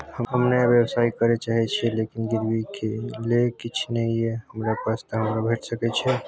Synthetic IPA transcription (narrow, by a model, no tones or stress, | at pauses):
həɦəmnebjəbsaːikəɾet͡ʃaɦɛt͡ʃʰɛlekinɡɪɾbikelekɪt͡ʃʰnɛieɦəmɾapast̪əɦəmɾabʱeʈsəkɛt͡ʃʰɛ